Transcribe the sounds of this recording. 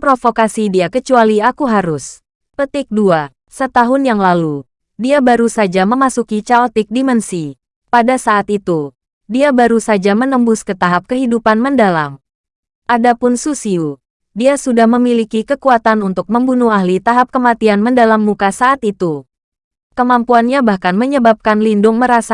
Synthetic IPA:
pɾofokasidiakət͡ʃualiakuɦaɾʊs | pət̪ɪk̚dua | sət̪aɦʊnjaŋlalu | diabaɾusad͡ʒaməmasukit͡ʃaot̪ɪk̚dimɛnsi | padasaʔːt̪it̪u | diabaɾusad͡ʒamənəmbʊskət̪aɦap̚kəɦidupanməndalam | ʔadapʊnsusiu | diasudahməmilikikəkuat̪anunt̪ʊk̚məmbunuaɦlit̪aɦap̚kəmat̪ianməndalamːukasaʔːt̪it̪u | kəmampuanɲabahkanməɲəbap̚kanlindʊŋməɾasa

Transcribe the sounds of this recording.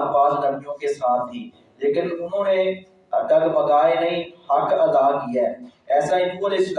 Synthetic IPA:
paːsɖəŋd͡ʒõːkeːsaːt̪ʰɦiː | leːkənʊn̤õːnẽː | ɖəɡpəɡaːeːnəĩːhəkəd̪aːkijɛːɛːsaːiːpuɾɪsk

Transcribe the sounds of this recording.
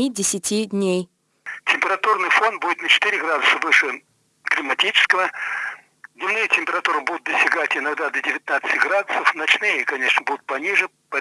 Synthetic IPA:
idʲɪsʲɪtʲidʲnʲej | tʲɪmʲpʲɪɾɐt̪urnɨjfonbudʲɪt̪nət͡ɕɪ̥t̪ɨɾʲɪɡɾad̪ʊsəvɨʂɨ | klʲɪmɐtʲit͡ɕɪ̥skəvə | d̪ʲnʲɪmnɨjətʲɪmʲpʲɪɾɐt̪uɾɨbud̪ʊt̪̚d̪əsʲtʲɪɡatʲɪnɐɡd̪ad̪ədʲɪvʲɪt̪nat̪sɨ̥tʲɡɾad̪ʊsəfnɐt͡ɕnɨjəkɐnʲe̞ʂnəbud̪ʊt̪̚pɐnʲiʐɨ | pɐ

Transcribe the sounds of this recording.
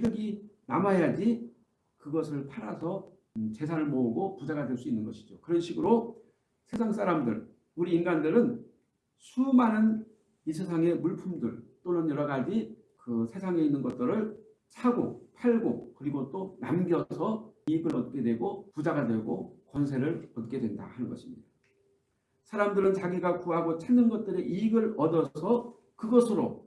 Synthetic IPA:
iɡɯɡinamaejad͡ʑi | kɯɡʌsʰɯɭpʰaɾasʰʌ | t͡ɕe̞s̬ʰaɾɯɭmoɯɡopud͡ʑaɡadwe̞ɭs̬͈uinːɯnɡʌɕʰi̥d͡ʑokɯɾʌnɕʰiɡɯɾo | sʰe̞sʰaŋs͈aɾamdɯ̰ɭ | uɾiːnɡandɯɾɯn | sʰumanɯn | isʰe̞sʰaŋe̞muɭpʰumdɯɭt͈onɯnjʌɾʌɡad͡ʑi | kɯsʰe̞sʰaŋe̞inːɯnɡʌt̚t͈ɯɾɯɭ | t͡ɕʰaɡo̰pʰaɭɡo̰kɯɾiɡot͈ona̰mɡjʌsʰʌiɡɯɾʌt̚k͈e̞dwe̞ɡopud͡ʑaɡadwe̞ɡokwʌnsʰe̞ɾɯɭʌt̚k͈e̞dwe̞nda̰hanɯnɡʌ̰ɕʰimɲidḁ | sʰaɾamdɯɾɯnt͡ɕaɡiɡakuɦaɡot͡ɕʰanːɯnɡʌt̚t͈ɯɾe̞ʔiɡɯɾʌdʌsʰʌ | kɯɡʌsʰɯɾo

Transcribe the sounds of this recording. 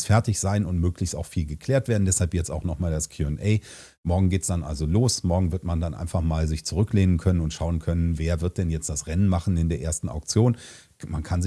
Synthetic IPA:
sfɛɐtɪçz̥aɪnʊntmøːklɪçstaʊxfiːlɡəkʰl̥eːɐtv̥eːɐdn̩dɛshalpjɛt͡staʊxnɔχmaːldaskʰj̥uɛnʔɛɪ | mɔɐɡŋ̩ɡeːtsd̥anʔa̰lzoloːsmɔɐɡŋ̩vɪɐtmandanʔa̰ɪnfaχmaːlzɪçt͡suʁʏkleːnənkʰœnənʊntʃaʊənkʰœnənveːɐvɪɐt̚d̥ɛnjɛt͡std̥asʁɛnənmaχn̩ɪndeːɐʔḛːɐstn̩a̰ʊkt͡sjoːn | mankʰanzɪ

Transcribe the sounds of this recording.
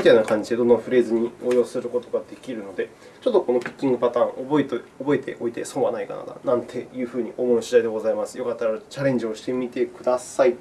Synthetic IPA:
mit̪ainakãɲ̟d͡ʑid̪e̞d̪o̞nːaɸɯ̟ɾe̞ːzɨɲ̟ioːjo̞ːsɨɾɯ̟ko̞t̪o̞ɡad̪e̞kʲiɾɯ̟no̞d̪e̞ | t͡ɕo̞t̪ːo̞ko̞no̞pʲi̥kʲːĩŋɡɯ̟pat̪ãːŋ̃oboet̪obo̞e̞t̪ʰe̞̰ʔo̞it̪e̞̰so̞ːβa̰naika̰na̰d̪a̰nãnt̪ʰe̞jɯ̟ːɸɯ̟ːɲ̟iʔo̞ːmonoɕid̪aid̪e̞ɡo̞zaimasɨ̥jo̞kat̪ːaɾaɾat͡ɕaɾẽ̞ɲ̟d͡ʑio̞ɕi̥t̪e̞mʲit̪e̞kɯ̟d̪asai

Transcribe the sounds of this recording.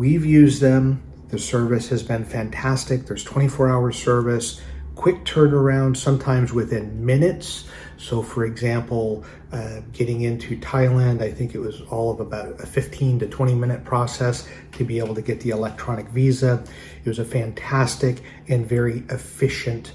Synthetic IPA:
wivjʉzðɨ̃m | ðɨsɜ˞vɨshɨzbɨ̃nfæ̃ntʰæstɨk̚ðə˞z̥tʰw̥ɛ̃ɾ̃ifɔɹaʊə˞z̥sɜ˞vɨskʰw̥ɪk̚tʰɜ̃˞nə˞ãʊ̃nd̥sʌ̃mtʰãɪ̃mzwɨθɪ̃nmɪ̃nɨtsː | oʊfə˞ɨɡzæ̃mpl̩ˠ | ɡ̥ɛɾɪ̃ŋɪ̃ntʰʉtʰaɪlˠæ̃ndaɪθɪ̃ŋkɨʔ̚wʌzɔlˠʌvəbaʊɾɨfɪftʰĩntɨtʰw̥ɛ̃ɾ̃imɪ̃ñɨt̚pʰɹ̥ɔsɛs | tʰɨbieɪbl̩ˠtʰɨɡɛt̪̚ðiɨlɛk̚tʰɹ̥ɑñɨkvizə | ɨt̚wʌzɨfæ̃ntʰæstɨk | ɨ̃nvɛɹiɨfɪʃɨ̃nt

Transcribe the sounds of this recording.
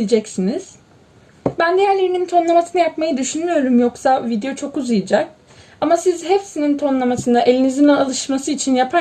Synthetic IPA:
d͡ʒɛcsiniz̥ | bænd̪ijæɾlʲe̞ɾinint̪ʰo̞nlˠamasɯnajapmajɯd̪yʃynmyjo̞ɾumjoksavid̪ejo̞t͡ʃʰo̞kuzɯjɯd͡ʒak̚ | amasizɦefsinint̪ʰo̞nlˠamasɯnd̪aʔe̞lʲinizinɛalˠɯʃmasɯit͡ʃʰinjapʰa

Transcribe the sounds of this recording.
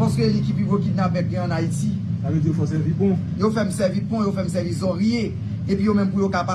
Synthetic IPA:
paskølikipibokid̪napɛ̃k̚ɛ̃ɑ̃naiti | saved͡zijofɔsɛvipɔ̃ | jofɛmsɛvipɔ̃jofɛm̩sɛvisɔ̃ʁije | epɥijomɛ̃mpujokapa

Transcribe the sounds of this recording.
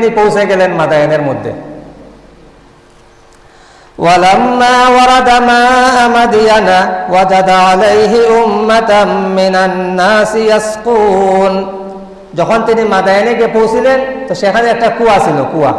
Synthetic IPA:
nipowseɡɛlenmad̪ajneɾmod̪ʱːḛ | walamːaːwaɾɑd̪amaːamad̪ijanawad͡ʒad̪aalejɦiʊmːat̪anːɪnanːaːsijasquːn | d͡ʒɔkʰɔnt̪inimad̪ajɔneɡepowsilent̪ɔʃɛkʰaniɛk̚ʈakuwasilokuwa̰

